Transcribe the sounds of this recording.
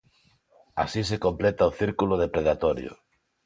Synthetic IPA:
a̰sisekomplet̪aoθiɾkuloðepɾeðat̪ɔɾjo̰

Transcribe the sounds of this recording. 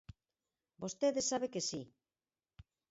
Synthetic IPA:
bost̪eðesːaβekesi

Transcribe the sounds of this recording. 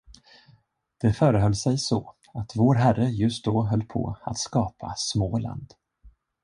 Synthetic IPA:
d̪̥ɛfœːɾəɦœlːsɛjsɔ | at̪voːɾɦærəjɵst̪̚d̪ɔːɦœlːpʰɔ̰a̰t̪skɑːpʰa̰smoːla̰nd̪

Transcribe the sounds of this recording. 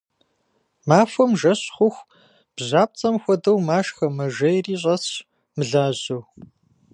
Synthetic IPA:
maːfʷɔmʒɐɕχʷʊxʷ | b̥ʑaːp̚t͡sʼɐmxʷɔdɐwmaːʃxɐmɐʒɐjriːɕ̬ʼɐɕ | mɨɮaːʑow

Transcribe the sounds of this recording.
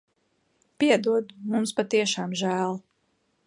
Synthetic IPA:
pʲiɛd̪uɔd̪umumspat̪iɛʃaːmʒæːlˠ

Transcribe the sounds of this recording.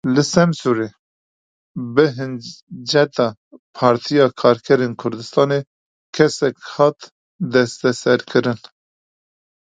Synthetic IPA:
lɨsɛmsuɾeː | bɨɦɨnd͡ʒɛt̪ɑː | pʰɑːɾt̪ʰijɑːkʰɑːɾkʰɛɾeːnkʰʊɾd̪ɨst̪ɑːne | kʰɛsɛkhɑːt̪ | d̪ɛst̪ɛsɛɾkʰɨɾɨn

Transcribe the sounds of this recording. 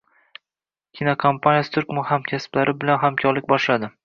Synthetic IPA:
kʲʰinokʰompʰanʲjasɪt̪ʰʊɾkmʊhamkʲʰasplaɾɪbɪlanɦamkʲʰɒɾlɪkʲbɒʃlad̪ɪ

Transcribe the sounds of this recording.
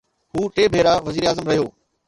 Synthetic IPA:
ɦuːʈeːbʱeːɾaʋɐziːɾaːzəmɾɐɦijoː

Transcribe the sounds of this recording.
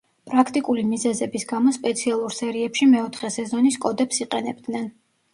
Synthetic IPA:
pʼɾakʰt̪ʼikʼulimizɛzɛbisɡamɔspʼɛt̪sʰialˠuɾsɛɾiɛpʃimɛɔt̪ʰχɛsɛzɔniskʼɔd̪ɛpsiqʼɛnɛbd̪nɛn

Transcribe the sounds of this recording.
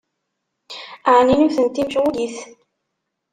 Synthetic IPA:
aʕninuθənt̪ːimʃuliθ

